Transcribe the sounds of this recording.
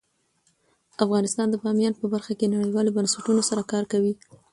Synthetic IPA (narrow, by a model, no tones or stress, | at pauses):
afɣɑnɪst̪ɑnd̪əpɑmjɑnpəbaɾxakenaɽəjwɑlobansaʈunosaɾakɑɾkawi